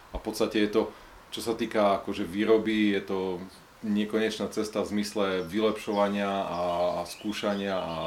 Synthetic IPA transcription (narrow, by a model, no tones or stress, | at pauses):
afpɔt̪st̪acɛjɛt̪ɔ | t͡ʃɔsat̪iːkaakɔʒɛʋiːɾɔbijɛt̪ɔ | ɲɪɛkɔɲɛt͡ʃnat͡sɛst̪avzmislɛʋilɛpʃɔʋaɲɪaaskuːʃaɲɪaa